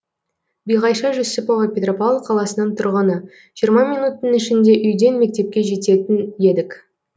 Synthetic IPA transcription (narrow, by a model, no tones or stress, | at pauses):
bijʁɑjʃɑʒʏzsɪpoʁəpʲet̪ropalˠqʰɑlˠɑsənəɴt̪ʰʊɾʁənə | ʒ̥ijəɾmɑmijnut̪ːənɪʃɪnd̪e̞ʔʏjd̪e̞nme̞k̚t̪e̞p̚kʲe̞ʒe̞t̪e̞t̪ɪne̞d̪ɪkʲ